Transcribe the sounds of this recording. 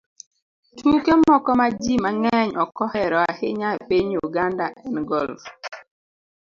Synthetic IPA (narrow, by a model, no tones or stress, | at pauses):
tʰukemɔkɔmad͡ʒimaŋɛɲɔkɔhɛɾɔahɪɲapiɲuɡandaʔɛnɡɔlf